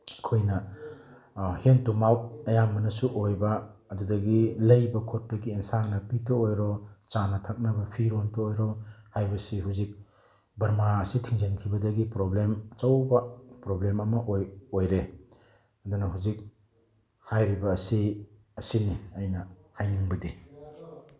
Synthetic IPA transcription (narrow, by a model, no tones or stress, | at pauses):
ɐkʰojnɐ | hentumawt̚ɐjamɐnɐsuʔojbɐːdudɐɡilɐjbɐkʰot̚pɐɡiensaŋnɐpitoojɾɔt͡ʃanɐtʰak̚nɐbɐpʰiɾontoːjɾɔhajbɐsiɦuzik̚ | bɐɾmaɐsitʰiŋzeŋkʰibɐdɐɡipɾoblemt͡ʃɐwbɐpɾoblemɐmɐʔojojɾe | ɐdunɐɦuzik̚ | hajɾibɐːsi | ɐsiniɐjnɐhajniŋbɐdi